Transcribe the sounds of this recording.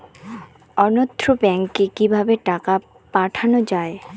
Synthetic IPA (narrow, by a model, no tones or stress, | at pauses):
ɔnod̪ɾobɛŋkːekibʱabeʈaka | paʈʰanod͡ʑae